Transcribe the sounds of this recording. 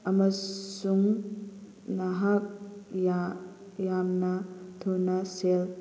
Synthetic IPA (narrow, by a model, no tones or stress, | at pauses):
amɐsuŋ | naɦak̚ja | jamnat̪ʰunasel